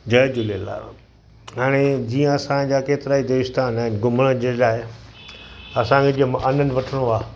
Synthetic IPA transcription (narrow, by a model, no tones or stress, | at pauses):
d͡ʑɐd͡ʑʊlela̰ | ɦaːɽ̃ed͡ʑiːə̃ɐsãd͡ʑaːkeːt̪ɪɾaːid̪oːɪst̪aːnaːɦɪnɡʊməɽ̃əd͡ʑelaːɦe | ɐsãkʰed͡ʑiə̃mʔɐnənɪ̆ʋɐʈʰəɽ̃oaː